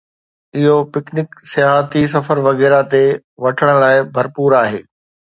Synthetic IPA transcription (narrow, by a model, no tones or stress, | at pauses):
ɪɦopɪknɪksɪjaːɦət̪is̬ɐfəɾʋɐɣɛːɾat̪e | ʋɐʈʰəɽ̃̆laːɪbʱɐɾpuːɾaːɦḛː